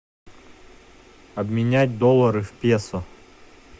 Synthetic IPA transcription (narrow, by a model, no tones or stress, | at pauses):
ɐbmʲɪnʲæt̚ʲd̪ɔlˠːɐɾɨfpʲesɔ